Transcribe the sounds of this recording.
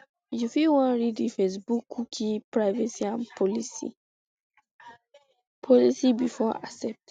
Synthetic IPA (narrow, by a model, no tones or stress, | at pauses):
jufiwãnɹidifes̬bukʰːukʰipɹaɪvɛsiãnpʰɔlisḭ | pʰɔlisibifɔasɛp̚t